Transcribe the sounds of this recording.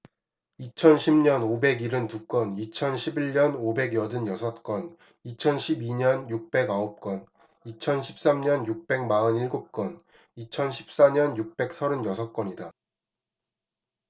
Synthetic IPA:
it͡ɕʰʌnɕʰimɲʌnobe̞ɡiɾɯntuk͈ʌnit͡ɕʰʌnɕʰibiɭɲʌnobe̞ɡjʌdɯnjʌsʰʌt̚k͈wʌn | it͡ɕʰʌnɕʰibiɲʌnjuk̚p͈e̞ɡaop̚k͈ʌn | it͡ɕʰʌnɕʰi̥p̚s͈amɲʌnjuk̚p͈e̞ŋ̚maɯniɭɡop̚k͈ʌn | it͡ɕʰʌnɕʰi̥p̚s͈aɲʌnjuk̚p͈e̞k̚sʰʌɾɯnjʌsʰʌt̚k͈ʌɲida

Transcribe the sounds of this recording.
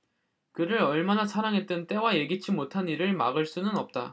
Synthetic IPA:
kɯɾɯɾʌɭmanasʰaɾaŋɦe̞t̚t͈ɯnt͈e̞waje̞ɡit͡ɕʰimotʰaniɾɯɭma̰ɡɯɭs͈unɯnʌp̚t͈a

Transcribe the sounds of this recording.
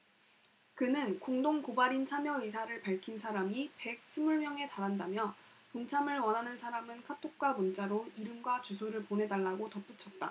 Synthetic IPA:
kɯnɯnkoŋdoŋkobaɾint͡ɕʰamjʌis̬ʰaɾɯɭpaɭkʰinsʰaɾamipe̞k̚s͈ʰɯmuɭmjʌŋe̞taɾɦandamjʌ | toŋt͡ɕʰamɯɭwʌnɦanɯnsʰaɾamɯnkʰatʰok̚k͈wamunt͡ɕ͈aɾoiɾɯmɡwat͡ɕusʰoɾɯɭpone̞daɭːaɡotʌp͈ut͡ɕʰʌt̚t͈a̰

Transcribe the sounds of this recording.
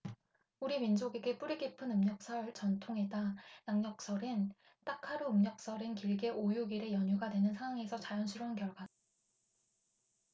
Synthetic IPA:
uɾimind͡ʑoɡeɡe̞p͈uɾiɡipʰɯnɯmɲʌk̚s͈ʰʌɭt͡ɕʌntʰoŋe̞danaŋɲʌk̚s͈ʌɾɯn | t͈akʰaɾuɯmɲʌk̚s͈ʌɾɯnkiɭɡe̞ʔojuɡiɾe̞jʌɲuɡadwe̞nɯnsʰaŋwaŋe̞sʰʌt͡ɕajʌnɕʰiɾounkjʌɭɡwada

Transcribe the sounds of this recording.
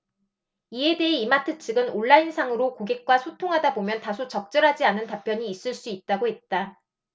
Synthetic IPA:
ie̞de̞ɦeimatʰɯt͡ɕʰɯɡɯnoɭːainsʰaŋɯɾokoɡe̞k̚k͈wasʰotʰoŋɦadabomjʌntasʰot͡ɕʌk̚t͡ɕ͈ʌɾɦad͡ʑianɯntapʰjʌɲiːs͈ɯɭs͈uit̚t͈aɡoɦe̞t̚t͈a

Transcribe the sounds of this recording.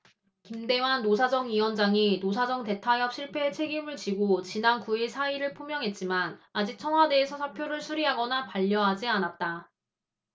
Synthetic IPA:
kimde̞wanːosʰad͡ʑʌŋɥiwʌnd͡ʑaŋinos̬ʰad͡ʑʌŋte̞tʰajʌp̚ɕʰiɭpʰe̞t͡ɕʰe̞ɡimɯɭt͡ɕiɡot͡ɕinankuiɭsʰaiɾɯɭpʰomjʌŋɦe̞t̚t͡ɕ͈imanad͡ʑik̚t͡ɕʰʌŋɦwade̞ːsʰʌsʰapʰjoɾɯɭsʰuɾiɦaɡʌnapaʎːʌɦad͡ʑianat̚t͈a

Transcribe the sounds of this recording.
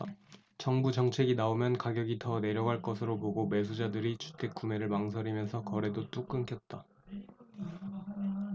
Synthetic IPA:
t͡ɕʌŋbud͡ʑʌŋt͡ɕʰe̞ɡinaomjʌnkaɡjʌɡitʌne̞ɾjʌɡɦaɭk͈ʌsʰɯɾopoɡome̞s̬ʰud͡ʑadɯɾit͡ɕʰu̥tʰe̞k̚k͈ume̞ɾɯɭmaŋs̬ʰʌɾimjʌnsʰʌkʌɾe̞dot͈uk͈ɯŋkʰjʌt̚t͈a

